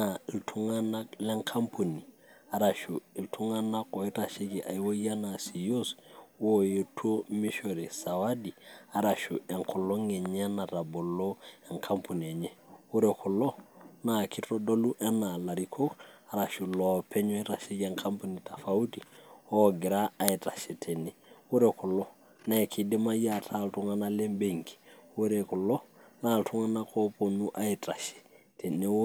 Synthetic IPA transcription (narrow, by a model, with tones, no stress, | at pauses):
nai˨ltʰu˦ŋa˦na˦klɛ˦ŋkʰa˦mpu˨ni˨ | a˨ɾa˨ʃu˨i˨ltʰu˦ŋa˦na˦ko˨i˦ɾa˨ʃe˦ɡi˨ʔa̰˨jwo˦ja˦nasi˨jo˦swo˦je˨tʰo˦mi˦ʃo˨ɾɛ˨sa˨wadi˨a˦ɾa˨ʃu˨ɛ˨ŋkʰɔ˨lo˦ŋe˨ɲa˦na˨ɾa˨bo˨lo˦e˨ŋkʰa˦mpʰu˨ni˨e˨ɲɛ˦u˦ɾɛkʰɔ˨lo˦na˦˨kʰi˦tɔ˦dɔ˦lu˦ʔɛ˦na˨la˨ɾi˨kʰo˦ka˨ɾa˨ʃu˨lɔ˨pʰɛ˦ɲwɛ˦ɾa˨ʃe˦ja˨ŋkʰa˦mpu˦ni˨ta˨fa˨u˦ti˨ɔ˦ɡɪ˨ɾaː˦i˨ta˨ʃɛ˨tʰɛ˨nɛ˦wo˦ɾɛ˨kʰɔ˨lɔ˦ | na˦ɛ˨kʰɪ˨de˦ma˦ja˨tʰa˦˨ltu˦ŋa˦na˦lɛ˦mbe˨ŋki̥˨wo˦ɾɛ˨kɔ˨lɔ˦na˦˨ltʰu˦ŋa˦na˦kʰɔ˦po˨nu˦ʔa˦i˨tʼa˨ʃɛ̥˨ | tʰɛ˨ne˦